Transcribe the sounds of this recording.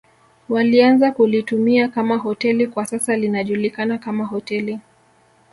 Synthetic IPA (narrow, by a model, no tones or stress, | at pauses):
walianzakulitumiakamaɦɔtɛlikwasasalinaʄulikanakamaɦɔtɛli